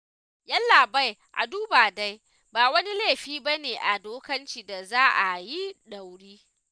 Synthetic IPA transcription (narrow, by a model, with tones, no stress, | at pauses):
jɐ˦llːaː˨ba˦jʔa̰˨duː˦baː˨da˦j | baː˨wɐ˦ni˦leː˦˨ɸiː˦ba˦neː˨ʔa˨doː˦kɐ˦nt͡ʃi˨da˨zaː˦ʔa˨ji˦ɗa˨wɽiː˦